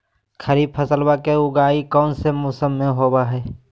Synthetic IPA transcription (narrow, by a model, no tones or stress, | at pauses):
kʰəɾipʰəsəlwakeʊɡaːikɔːnsemoːsəmːẽɦoːbaɦɛː